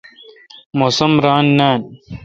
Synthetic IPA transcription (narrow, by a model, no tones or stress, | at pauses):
mosɐmɾaːnːaːn